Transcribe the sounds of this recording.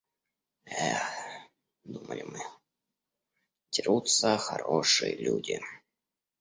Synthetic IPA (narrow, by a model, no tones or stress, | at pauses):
ɛ | d̪uməlʲɪmɨ | tʲɪɾut̪səxɐɾoʂɨjəlʲudʲɪ